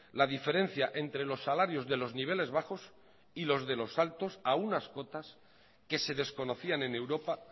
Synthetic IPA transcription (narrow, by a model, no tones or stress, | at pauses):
laðife̞ɾe̞n̟θjaʔe̞nt̪ɾe̞lo̞sːalaɾjo̞zðe̞lo̞zniβ̞e̞le̞zβaxo̞s | ilo̞zðe̞lo̞salt̪o̞saunasko̞t̪as | ke̞se̞ðe̞sko̞no̞θianẽ̞ne̞wɾo̞pa